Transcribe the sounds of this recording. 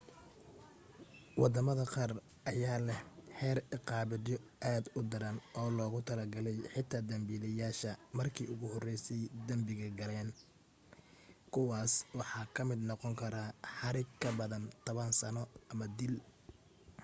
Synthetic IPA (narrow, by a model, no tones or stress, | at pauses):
wɑd̪ɐmɐðɐqɑːr | ʔɐjaːlɛhħɛːrɪqɑːbɪdjɔʔaːd̪ʊd̪ɐɾɐnɔːlɔːɣʊt̪ʰɐlɐɡɐlɛjħɪt̪ʰaːd̪ɐmbiːlɐjaːʃɐmɐrkʰḭːʊɣʊhɔrɛjsɛjd̪ɐmbɪɣɐɡɐlɛːn | kʰʊwɑːswɑħɑːkʰɐmɪd̪nɔqɔŋkʰɐɾaħɑɾɪɡkʰːɐbɐðɐnt̪ʰɔβɐnsɐnɔɐmɐd̪ɪl